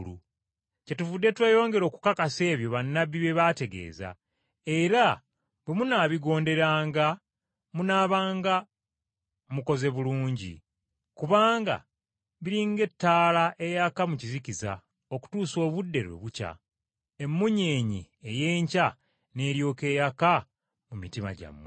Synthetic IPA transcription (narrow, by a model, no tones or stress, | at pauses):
lṵ | ce̞tuvudːe̞twe̞ːjo̞ːŋɡe̞ɾo̞ːku̥kakase̞ːβjo̞βanːaβiβe̞βate̞ɡe̞̰ːza̰ | e̞ɾa | bwemunaːβiɡo̞ːnde̞ɾaːŋɡa | munaːβaːŋɡa | muko̞ze̞βuluːɲɟḭ | kuβaːŋɡa̰ | βiɾiŋɡe̞tːaːlaʔe̞jakamucizikiza̰ | o̞ku̥tuːso̞ːβudːe̞̰ɾḛβuca̰ | e̞mːuɲeːɲi | eje̞ːɲca | ne̞ːɾjo̞ːke̞ːjaka | mumitima̰ɟa̰mːwe